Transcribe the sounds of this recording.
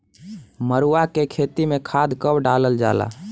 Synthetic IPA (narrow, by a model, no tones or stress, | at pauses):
məɾuakekʰet̪imekʰad̪ʱkəbɖaləld͡ʒa̰la̰